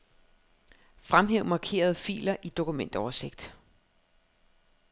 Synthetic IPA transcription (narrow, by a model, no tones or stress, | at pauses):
fʁamɦeʊ̰mɑ̈kʰe̝̰ːɐð̞̩ˠfḭːlɐʔid̥o̝kʰumen̰d̥ɒʊɐse̝ɡ̥̚d̥